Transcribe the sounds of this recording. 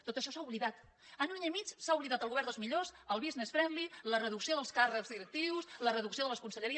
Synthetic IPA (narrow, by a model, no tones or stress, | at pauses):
t̪ːot̪əʃɔsauβliðat̪ | ənunaɲimit͡ʃsauβliðat̪əlˠɣuβɛɾd̪əlˠzmiʎosəlˠβiznesfɾɛnlilərəðuksioðəlˠskarəkzðiɾək̚t̪iwslərəðuksioðələskunsəʎəɾi